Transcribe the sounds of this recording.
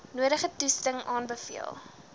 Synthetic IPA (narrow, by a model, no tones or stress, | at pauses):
nuəɾəχətustəŋɑːnbəfḭəlˠ